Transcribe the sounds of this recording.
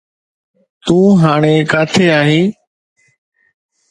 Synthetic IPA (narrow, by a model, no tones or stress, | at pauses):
t̪ũːɦaːɳ̃eːkaːt̪ʰeːaːɦĩː